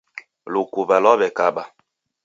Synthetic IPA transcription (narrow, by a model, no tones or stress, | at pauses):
lokubalɔbɛkaɓa